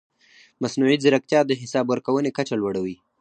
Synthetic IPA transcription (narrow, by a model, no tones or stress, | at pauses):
masnuʕizɪɾak̚t̪jɑd̪əɦɪsɑbwəɾkawənekat͡ʃalwaɽawi